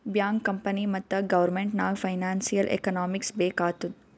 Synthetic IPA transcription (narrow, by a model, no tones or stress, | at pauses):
bjãːŋɡkːɐmpənimɐt̪ɐɡɐʋəɾmẽːɳʈnaːɡfaɪnaːnsijəlʔḛkənɔːmɪksbeːkaːt̪u